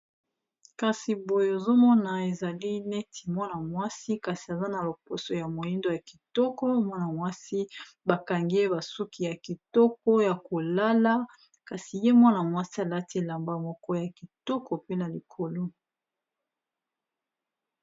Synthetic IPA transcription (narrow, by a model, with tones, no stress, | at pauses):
ka˨si˨bo˨je˨zo˦mɔ˦na˨e˨za˨li˦ne˦tʰi˨mwa˦na˨mwa˦si˦ka˨si˨a˨za˦na˨lo˨po˨so˨ja˨mo˨ji˦ndo˦ja˨ki̥˨tɔ˦kɔ˦mwa˦na˨mwa˦si˦ | ba˨ka˨ŋɡi˦e˦ba˨su˦kʰi˨ja˨ki˨tɔ˦k̚ɔ˦ja˨ko˨la˦la˦ | ka˨si˨je˦mwa˦na˨mwa˦si˦a˨la˦ti˦e˨la˨mba˦mɔ˨kɔ˦ja˨ki˨tɔ˦kɔ˨pe˦na˨li˨kʰo˨lo˦